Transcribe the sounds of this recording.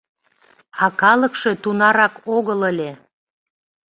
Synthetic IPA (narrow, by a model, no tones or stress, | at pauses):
ɑkɑləkʃe̽t̪unɑɾɑkoɣələlʲe